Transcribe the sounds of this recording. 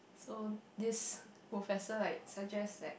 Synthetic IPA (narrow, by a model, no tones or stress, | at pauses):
sodis | pɹofɛsəaɪsak̚d͡ʒɛsdɛ̰t̚